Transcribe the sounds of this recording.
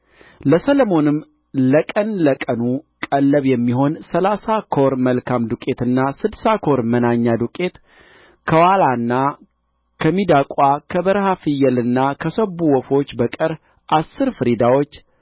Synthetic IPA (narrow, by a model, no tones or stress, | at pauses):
ləsəlomo̞nɨm | ləkʼənləkʼənukʼəlːəβjɛmːiho̞nsəlasakʰo̞ɾməlkʰamd̪ukʼe̞t̪ɨnːasɨd̪sakʰo̞ɾmənaɲːad̪ukʼe̞t̪ | kʰəwalanːa | kʰəmid̪akʼakʰəbəɾhafɨjːɛlɨnːakʰəsəbuwɔfo̞t͡ʃːbəkʼɨɾ | ʔasːɨɾfɨɾid̪awo̞t͡ʃː